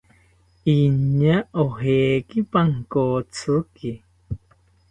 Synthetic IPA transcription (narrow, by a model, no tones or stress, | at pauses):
iɲaʔoɦeːkipaŋkoːt͡sɨki